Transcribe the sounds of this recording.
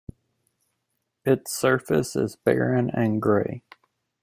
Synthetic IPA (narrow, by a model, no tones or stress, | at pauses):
ɪtsɜ˞fɨsɪ̰zbɛ̰ɹɨ̃nɨ̃nɡɹeɪ